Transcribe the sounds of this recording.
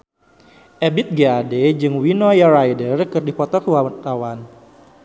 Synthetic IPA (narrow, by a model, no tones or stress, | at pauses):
ʔɛbit̪̚ɡeaded͡ʒɨŋwinojaɾajdərkɨrdipɔt̪ɔkuwaat̪awan